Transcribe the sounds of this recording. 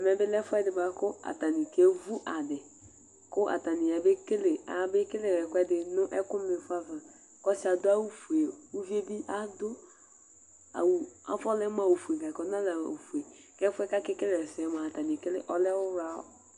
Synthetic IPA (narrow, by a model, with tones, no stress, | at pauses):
ɛ˨mɛ˨˦bɪ˦lɛ˦fʊ˦ɛ˦dɪ˨ba˦kʊ˦a̰˨ta˨ni˨ke˨˦vu˦ʔa˨dɪ˨ | kʊ˦ʔa̰˨ta˨nɪ˨ja˨be˦ke˦lɪ˨a̰˨˦bɪ˦kɪ˦le˦˨ɾɛ˨kʷɛ˦dɪ˨nʊ˦ʔɛ˦kʊ˦m˦lɪ˨˦fa˦va˨ | kɔ˦sɪ˨˦a˨dʊ˦a˦wu˦fu˨e˨u˦vi˦e˦bi˦ʔa˦dʊ˦ | a̰˨wu˨a̰˨fɔ˦lɛ˦m˦a˨wo˨fu˨e˨ɡa˨kɔ˨˦n˦a˦la˨o˨fu˨e˨ | kɛ˦fʊ˦ɛ˦ka˦kɪ˦kɪ˦le˨ɾɛ˨sɪ˨ɛ˦ma˨ta˨ni˨kɪ˦lɪ̰˦ʔɔ˦lɛ˦ʊ˦ɾa˨˦ɔ̰˦